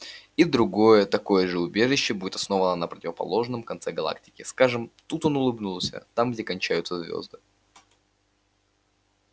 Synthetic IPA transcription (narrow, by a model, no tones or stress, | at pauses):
id̪ɾʊɡo̞jət̪ɐko̞jəʐɨʊbʲe̞ʐɨɕːɪbudʲɪt̪ɐsno̞vənənəpɾətʲɪvəpɐ̰lˠo̞ʐnəmkɐnt̪sɛɡɐlˠa̰k̚tʲɪ̥kʲɪskaʐɨmt̪ut̪onʊlˠɨbnulˠsʲə̰t̪amɡdʲekɐnʲt͡ɕæjʊt̪səzvʲo̰zd̪ɨ